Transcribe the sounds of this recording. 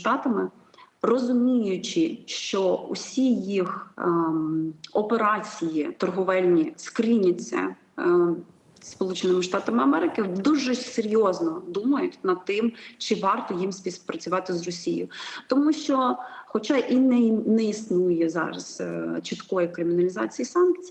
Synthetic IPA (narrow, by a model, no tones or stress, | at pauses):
t̪ɑt̪ɐmɪ | rɔzʊmʲijʊt͡ʃɪʃt͡ʃɔṵsʲijix | ɔpeɾɑt͡sʲijit̪ɔrɦʊʋɛlʲnʲiskɾʲinʲɐt͡sʲːɐ̰ | spɔlˠut͡ʃɪnɪmɪʃt̪ɑt̪ɐmɪɐmɛɾɪkɪd̪uʒɛseɾʲjɔznɔd̪umɐjʊtʲnɐd̪̚t̪ɪmt͡ʃɪʋɑrt̪ɔjimsʲpʲispɾɐt͡sʲʊʋɑt̪ɪzrɔsʲij̰ʊt̪ɔmuʃt͡ʃɔxɔt͡ʃɑʔinɛnɛisnujɛzɑ̰ɾɐ̰zt͡ʃɪt̪kɔjikɾɪmʲɪnɐlʲɪzɑ̰t͡sʲijisɑnk̚t͡sʲi